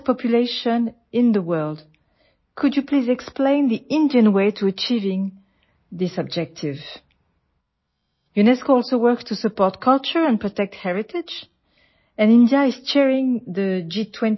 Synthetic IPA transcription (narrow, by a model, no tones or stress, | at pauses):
pʰɔpʰjuleɪʃə̃n | ɪ̃nðəwɜ˞lˠd | kʰud͡ʒjɨpʰlizɛksplẽɪ̃nðiɪ̃ndiɨ̃nweɪtʰuət͡ʃivɪ̃ŋ | ðɪsʌb̚d͡ʒɛk̚tʰɪv | junɛskoɔlˠsowɜ˞kstʰusɨpɔɹt̚kʰʌlˠt͡ʃə˞ə̃npʰɹ̥ɔtɛk̚thɛɹɪtʰɪd͡ʒ | ɨ̃nɪ̃ndjaɪz̥t͡ʃɛɹɪ̃ŋðəd͡ʒitʰw̥ɛ̃n